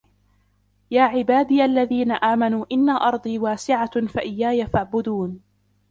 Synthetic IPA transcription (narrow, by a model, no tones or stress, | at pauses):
jaːʕɪbaːd̪iːʔalːaðiːnaʔaːmanuːʔɪnːaʔɑɾˤd̪ˤiːwaːsɪʕafaʔɪjːaːjafaʕbʊd̪uːn